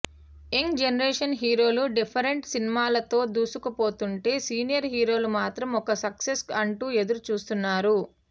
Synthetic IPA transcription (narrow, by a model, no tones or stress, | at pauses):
eŋd͡ʒenɐɾeːʂɐnɦiːɾo̞ːluɖipʰɐɾeɳʈsinimaːlɐt̪o̞ːd̪uːsukɐpo̞ːt̪uɳʈe̞ːsiːnijɐɾɦiːɾo̞ːlumaːt̪ɾɐmɔkɐsɐksesɐɳʈuːe̞d̪uɾut͡ʃuːst̪unːaːɾu